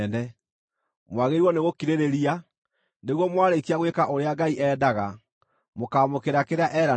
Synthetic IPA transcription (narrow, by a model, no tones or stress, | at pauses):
nɛ | mwaɣeɾwɔneɣokiɾeɾeɾia | neɣwɔmwaɾekiaɣwekaʔoɾeaɡaiʔɛːdaɣa | mokaːmokeɾakeɾeaʔɛɾa